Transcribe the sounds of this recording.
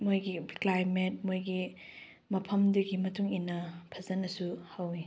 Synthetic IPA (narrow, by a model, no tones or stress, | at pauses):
mojɡiklajmet̚mojɡi | mɐpʰɐmduɡimɐtuŋinːɐpʰɐzɐnːɐsuhɐwi